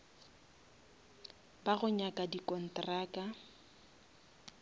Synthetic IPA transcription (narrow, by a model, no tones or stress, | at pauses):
baɣʊɲakʼadikɔn̩traːka